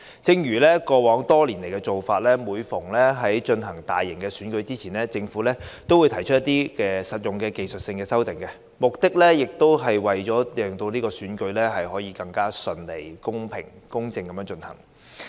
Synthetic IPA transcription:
t͡sɪ˧ŋjyː˨˩lɛː˥kɔː˧wɔː˨˥ŋt̪ɔː˥liː˨˩nle˨˩jkɛ˧t͡so˨wfaː˧t̚lɛː˥muː˨˧jfʊ˨˩ŋlɛː˥ɦɐ˨˥jt͡ʃɵ˧nɦɐ˨˩ŋt̪aː˨jːɪ˨˩ŋkɛː˧syː˨˥nkɵ˨˥ɥt͡siː˥t͡sʰiː˨˩nlɛː˥t͡sɪ˧ŋfuː˨˥lɛː˥t̪o˥wu˨˧jt̪ʰɐ˨˩jt͡ʃʰɵ˥jɐ˥t̪iː˥kɛː˧sɐ˨t̚jʊ˨ŋkɛː˧ke˨jsɵ˨t̚sɪ˧ŋkɛː˧sɐ˥wt̪ɪ˨˩ŋkɛ˧ | mʊ˨k̚t̪ɪ˥k̚lɛː˥jɪ˨k̚t̪o˥wɦɐ˨jwɐ˨jt͡ʃɔː˨˥jɛː˨ŋt̪o˧wniː˥kɔː˧syː˨˥nkɵ˨˧˥ɥlɛː˥ɦɐ˨jɦɔː˨˥jiː˧kɐ˧ŋkaː˥sɵ˧nle˨˩jkʊ˥ŋpʰɪ˨˩ŋkʊ˥ŋt͡sɪ˧ŋkɐ˨˦mjœː˧˥ŋt͡ʃɵ˧nhɐ̰˨˩ŋ

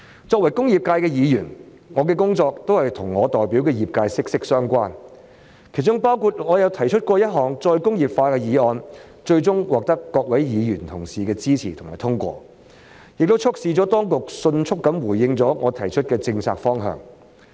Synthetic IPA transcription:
t͡sɔː˧k̚wɐ˨˩jkʊ˥ŋjiː˨˩p̚kaː˧jkɛː˧jiː˨˧jyː˨˩n | ŋɔː˨˧kɛː˧kʊ˥ŋt͡sɔː˧k̚t̪o˥whɐ˨jt̪ʰʊ˨˩ŋːɔː˨˧t̪ɔː˨jpi˨˥wkɛː˧jiː˨˩p̚kaː˧jsɪ˥k̚sɪ˥k̚sœː˥ŋkʷaː˥n | kʰe˨˩jt͡ʃʊ˥ŋpaː˥wkʰuː˨˩t̚ŋɔː˨˧jɐ˨˧wt̪ʰɐ˨˩jt͡ʃʰɵ˥t̚kʷɔː˧jɐ˥t̚ɦɔː˨˧ŋt͡ʃɔː˧jkʊ˥ŋjiː˨p̚faː˧kɛː˧jiː˨˧ɔː˧n | t͡ʃɵ˧ɥt͡sʊ˥ŋwɔː˨k̚t̪ɐ˥kːɔː˧k̚wɐ˨˥jjiː˨˧jyː˨˩nt̪ʰʊ˨˩ŋsiː˨kɛː˧t͡siː˥t͡sʰḭː˨˩t̪ʰʊ˨˩ŋmaː˨˩jt̪ʰʊ˥ŋkʷɔ̰ː˧ | jɪ˨k̚t̪o˥wt͡ʃʰʊ˥k̚siː˧t͡sɔː˨˥t̪ɔː˥ŋkʊ˨k̚sɵ˧nt͡ʃʰʊ˥kːɐ˨˥mwuː˨˩jɪ˧ŋt͡sɔː˨˥ŋɔː˨˧t̪ʰɐ˨˩jt͡ʃʰɵ˥t̚kɛː˧t͡sɪ˧ŋt͡sʰa̰ː˧k̚fɔː˥ŋɦœ̰ː˨˧ŋ

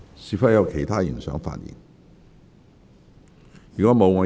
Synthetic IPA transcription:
siː˧˩fɐ˥t̚jɐ˨˧wkʰe˨˩jt̪ʰaː˥ji˨˩sœː˨˥ŋfa̰ː˧njḭː˨˩n | jyː˨kɔː˨˥mo˨˧wŋɔː˨˧

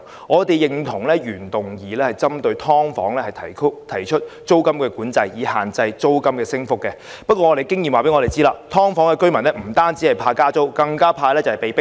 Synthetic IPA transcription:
ŋɔː˨˧t̪e˨jjɪ˨ŋt̪ʰʊ˨˩ŋlɛː˥ɥyː˨˩nt̪ʊ˨ŋjiː˨lɛː˥hɐ˨jt͡sɐ˥mt̪ɵ˧ɥt̪ʰɔː˥ŋfɔ̰ː˨˥ŋlɛː˥hɐ˨jt̪ʰɐ˨˩kʰt̪ʰɐ˨˩jt͡ʃʰɵ˥t̚t͡ʃo˥wkɐ˥mkɛː˧kuː˨˥nt͡sɐ˧jjiː˨˧haː˨nt͡sɐ˧jt͡so˥wkɐ˥mkɛː˧sɪ˥ŋfʊ˥kːɛ˧ | pɐ˥t̚kʷːɔː˧ŋɔ˨˧te˨jkɪ˥ŋjiː˨mwaː˨pe˨˥jŋɔ˧te˨jt͡siː˥la̰ː˧t̪ʰɔː˥ŋfɔː˨˥ŋkɛ˨˧kɵ˥ɥmɐ˨˩nlɛ˥m̩˨˩t̪aː˥nt͡si˨˥hɐ˨jpʰaː˧kaː˥t͡so˥wkɐ˧ŋkaː˥pʰaː˧jlɛ˥t͡sɐ˨hɐ˨jpe˨jpɪ˥

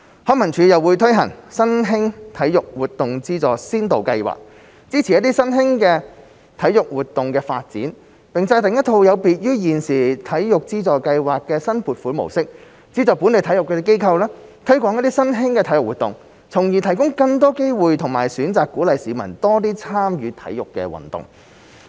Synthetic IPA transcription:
hɔː˧˥kmɐ˨˩nt͡ʃʰyː˨˧jɐ˨wuː˨˧jt̪ʰɵ˥ɥɦɐ̰˨˩ŋsɐ˥nɦɪ˥ŋt̪ʰɐ˨˥jjʊ˨k̚wuː˨˩t̚t̪ːʊ˨ŋt͡siː˥t͡sɔː˨˩siː˥nt̪o˨wkɐ˧jwa̰ː˨˩k̚ | t͡siː˥t͡sʰi˨˩jɐ˥t̪iː˥sɐ˥nɦɪ˥ŋkɛː˧ | t̪ʰɐ˨˥jʊ˨k̚wuː˨t̪ʊ˨ŋkɛː˧fa̰ː˧t̚t͡sḭː˨˥n | pɪ˨ŋt͡sɔː˧jt̪ɪ˨ŋjɐ˥t̪ʰo˧wjɐ˨˧wpiː˨t̚jyː˥jiː˨nsiː˨t̪ʰɐ˨˥jjʊ˨k̚t͡siː˥t͡sɔː˨jkɐ˧jwaː˨kːɛː˧sɐ˥npʰuː˨˩t̚fuː˨˥nmo̰˨˩wsɪ˥k̚ | t͡siː˥t͡sɔː˨pu˨˥ne˨˧jt̪ʰɐ˨˥jʊ˨kːɛː˧ke˥jkʰɐ˧wlɛː˥t̪ʰɵ˥kʷɔː˨˥ŋjɐ˥t̚t̪iː˥sɐ˥nɦɪ˥ŋkɛ˧t̪ʰɐ˨˥jʊ˨k̚wuː˨t̪ːʊ̰˨˩ŋ | t͡sʰʊ˨˩ŋjiː˨t̪ʰɐ˨˩jkʊ˥ŋkɐ˧ŋt̪ɔː˥ke˥jwuː˨jt̪ʰʊ˨˩ŋmaː˨˩jsyː˨˥nt͡saː˨kːuː˨˥lɐ˨jsiː˨˥mɐ̰˨˩nt̪ɔː˥t̪iː˥t͡sʰaː˥mjyː˨˧t̪ʰɐ̰˨˥jʊ˨kːɛ̰ː˧wɐ̰˨nt̪ʊ̰˨ŋ

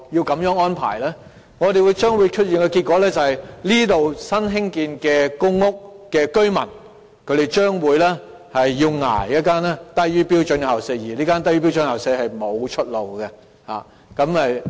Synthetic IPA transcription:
ji˧wkɐ˨˧˥mjœː˨˥ŋɔː˥npʰa̰ː˨˩jlɛː˥ | ŋɔː˨˧ɾe˨jwu˨˧jt͡ʃœː˥ŋwu˨˧jt͡ʃʰɵ˥t̚jiː˨nkɛː˧ki˧kʷɔː˨˧˥lɛː˥t͡sɐ˨whɐ˨jliː˥t̪o˨wsɐ˥nɦɪ˥ŋkiː˧nkɛː˧kʊ˥ŋːʊ˥k̚kːɛː˧kɵ˥ɥmɐ̰˨˩n | kʰɵ˨˧ɥt̪e˨˩jt͡ʃœː˥ŋwuː˨˧jlɛː˥ | hɐ˨jːiː˧wŋa̰ː˨˩jjɐ˥t̚kaː˥nɛː˥t̪ɐ˥ɥyː˥piː˥wt͡ʃɵ˧nhɐ˨˩wsɛː˧˥jiː˨˩liː˥kaː˥nt̪ɐ˥jyː˥pi˥wt͡ʃɵ˧nhɐ˨˩wsɛː˨˧hɐ˨jmo˨˧wt͡ʃʰɵ˥t̚lo˨wɡɛ˧ | ha̰ː˨˩ | kɐ˨˥mhɐ˨j

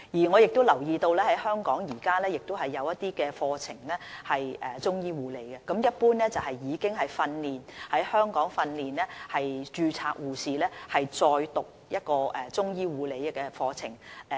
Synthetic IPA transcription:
jiː˨˩ŋɔː˨˧jɪ˨k̚t̪o˥wlɐ˨˩wjiː˧t̪o˧wlɛː˥hɐ˨˥jhœː˥ŋkɔː˨˥ŋjiː˨˩kaː˥lɛː˥jɪ˨k̚t̪o˥wɦɐ˨jːɐ˨˧wjɐ˥t̪iː˥kɛː˧fɔː˧t͡sʰɪ̰˨˩ŋlɛː˥hɐ˨jʔɛː˨˩t͡sʊ˥ŋjiː˥wuː˨˧le˨˧˦jkɛ˧kɐ˨˥mjɐ˥t̚puː˥nlɛː˥t͡sɐ˨whɐ˨jjiː˨˧kɪ˥ŋɦɐ˨jfɐ˧nliː˨˩nhɐ˨˥jhœː˥ŋkɔː˨˥ŋfɐ˧nliː˨nlɛː˥hɐ˨jt͡ʃyː˧t͡sʰaː˧k̚wuː˨siː˨lɛː˥hɐ˨jt͡sɔː˧jt̪ʊ˨k̚jɐ˥t̚kɔː˧ɛ˨˩t͡sʊ˥ŋjiː˥wuː˨˧le˨˧jkɛ˧fɔː˧t͡sʰɪ̰˨˩ŋ

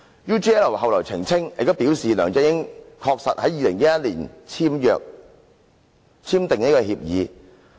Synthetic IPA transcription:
juː˥t͡ʃi˥ɛː˥lɐ˨˩hɐ˨wlɔː˨˩jt͡sʰɪ˨˩ŋt͡sʰɪ˥ŋjʔɪ̰˨k̚t̪ʊ˥wpiː˨˥wsiː˨lœ̰ː˨˩ŋt͡sɛ˧˥jɪ˥ŋkʰɔː˧k̚sɐ̰˨t̚hɐ˨˥jːiː˨˧lɪ˨˩ŋjɐ˦˥jɐ˥t̚liː˨˩nt͡sʰiː˥mjœ̰ː˨˧k̚ | t͡sʰiː˥mt̪ɪ˨ŋnɐ˥kɔ˧hiː˧p̚jiː˨˦

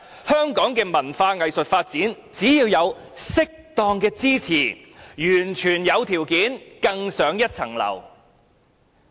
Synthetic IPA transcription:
hœː˥ŋkɔː˨˥ŋkɛː˧mɐ˨˩nfaː˧ŋɐ˨jsɵ˨t̚faː˧t̚t͡siː˨˥n | t͡siː˨˥jiː˧wjɐ˨˧wsɪ˥k̚t̪ɔː˧ŋkɛː˧t͡siː˥t͡sʰiː˨˩ | jyː˨˩nt͡ʃʰyː˨˩njɐ˨˧wt̪ʰiː˨˩wkiː˨˥nkɐ˧ŋsœː˨˥ŋjɐ˥t̚t͡sʰɐ̰˨˩ŋlɐ̰˨˩w

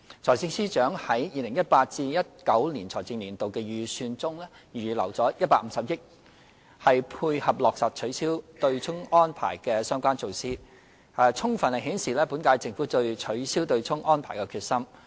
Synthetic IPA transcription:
t͡sʰɔː˨˩jt͡sɪ˧ŋsiː˥t͡ʃœː˨˥ŋhɐ˨˥jjiː˨˧lɪ˨˩ŋjɐ˥t̚paː˧t̚t͡siː˧jɐ˥t̚kɐ˨˥wliː˨˩nt͡sʰɔː˨˩jt͡sɪ˧ŋliː˨˩nt̪o˨wkɛː˧jyː˨˩syː˧nt͡sʊ˥ŋlɛː˥ | jyː˨˩lɐ̰˨˩wt͡sɔː˨˥jɐ˥t̚paː˧k̚m̩˨˥sɐ˨p̚jɪ˥k̚ | hɐ˨jpʰuː˧jhɐ˨p̚lɔː˨k̚sɐ˨˩t̚t͡ʃʰɵ˨˥ɥsiː˥wt̪ɵ˧ɥt͡sʰʊ˥ŋɔː˥npʰa̰ː˨˩jkɛː˧sœː˥ŋkʷaː˥nt͡so˧wsiː˥ | aː˨˧t͡sʰʊ˥ŋfɐ˨nlɐ˨˩ɦiː˨˥nsiː˨lɛː˥pu˨˥nkaː˧jt͡sɪ˧˨ŋfuː˨˥t̪ɵ˧ɥt͡ʃʰɵ˨˥ɥsiː˥wt̪ɵ˧ɥt͡sʰʊ˥ŋʔɔː˥npʰaː˨˩jkɛː˧kʰyː˧t̚sɐ˥m

